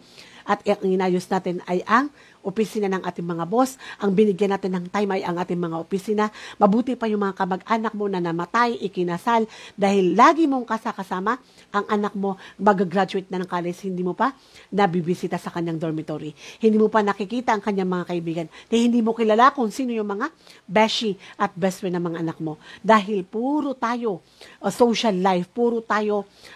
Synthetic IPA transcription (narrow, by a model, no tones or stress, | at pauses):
ʔɐt̪ʔɐŋɪnaːjosnaːt̪ɪnɐjʔɐŋ | ʔopɪsiːnanɐŋʔa̰ːt̪ɪŋmɐŋabo̞sʔɐŋbɪnɪɡjanaːt̪ɪnːɐŋt̪ajmɐjɐŋʔaːt̪ɪŋmɐŋaʔopɪsiːnɐmɐbuːt̪ɪpajʊŋmɐŋakɐmɐɡʔaːnɐk̚mo̞nɐnɐmɐt̪ajʔɪkɪnasald̪aːhɪlːaːɡɪmo̞ŋkɐsakɐsaːma | ʔɐŋʔɐnak̚mo̞mɐɡaɡɾad͡ʒʊɛt̪̚nɐnɐŋkaːlɛshɪnd̪iːmopa | nɐbibɪsiːt̪asɐkɐɲːaŋd̪oɾmɪt̪oɾihɪ̃nd̪iːmopanɐkɪkiːt̪ɐʔɐŋkɐɲːaŋmɐŋakɐʔɪbiːɡɐnkɐjhɪnd̪iːmo̞kɪlalakʊŋsiːno̞jʊŋmɐŋa | bɛʃiʔɐt̪̚bɛspɛnɐŋmɐŋaʔɐnak̚mo̞d̪aːɦɪlpuːɾo̞t̪aːjo̞ | ʔsowʃalːajfpuːɾot̪aːjo̞